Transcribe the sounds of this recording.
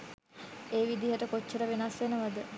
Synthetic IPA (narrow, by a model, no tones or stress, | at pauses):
eːʋid̪iɦəʈəkot͡ʃːəɾəʋenasʋenəʋad̪ə